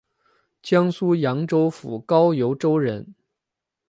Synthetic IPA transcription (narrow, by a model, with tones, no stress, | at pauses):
t͡ɕjɑ˥ŋsu˥jɑ˧˥ŋʈ͡ʂo˥ʊfu˨˩kɑ˥ʊjo˧˥ʊʈ͡ʂo˥ʊɻə˧˥n